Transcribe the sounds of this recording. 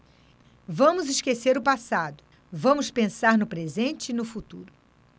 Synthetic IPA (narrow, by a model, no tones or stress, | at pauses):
vɐ̃mʊzɪʃkeseɾʊpasad̪ʊ | vɐ̃mʊspẽsaɾnʊpɾezẽnt͡ʃɪːnʊfut̪ṵɾʊ